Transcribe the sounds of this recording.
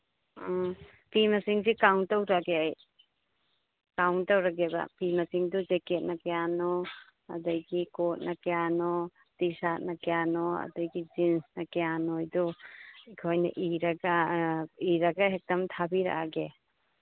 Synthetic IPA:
pimɐsiŋsikawntawɾaɡeaj | kawntɐwɾaɡebɐ̰pimɐsiŋdud͡ʒeket̚nɐkejanɔ | ɐ̰dɐjɡikot̚nɐkejanɔ | tisat̚nɐkejanoɐ̰dɐjɡid͡ʒinsnɐkejanojduikʰojnɐ̰ʔiɾɐɡa | iɾɐɡɐɦek̚dɐmtʰabiɾa̰ʔaɡe

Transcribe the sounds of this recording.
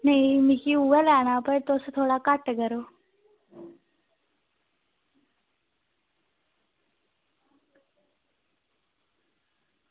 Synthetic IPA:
nəimikiuʋəlaːnaːpəɾt̪oːst̪ʰoːɽaːkaʈɡəɾoː

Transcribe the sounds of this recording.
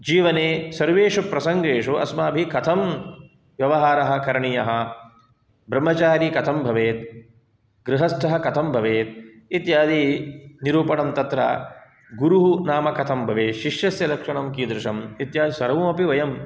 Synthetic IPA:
d͡ʒiːʋɐneːsɐɾʋeːʂɐpɾɐsɐŋɡeːʂuɐ̰smaːbʱikɐt̪ʰɐm | ʋjɐʋɐɦaːɾɐɦɐ̆kɐɾɳijɐɦɐ̆ | bɾɐmːɐt͡ʃaːɾikɐt̪ʰɐmbʱɐʋeːt̪̚ | ɡɾɪɦɐsʈʰɐɦɐkɐt̪ʰɐmbʱɐʋeːt̪̚ | it̪jaːd̪iniɾuːpɐɳɐmt̪ɐt̪ɾɐ̰ | ɡuɾuɦunaːmɐkɐt̪ʰɐmbʱɐʋeːʃiʂjɐsjɐlɐkʂɐɳɐmkiːd̪ɾɪʂɐmit̪jaːd̪isɐɾʋumɐpiʋɐjɐm

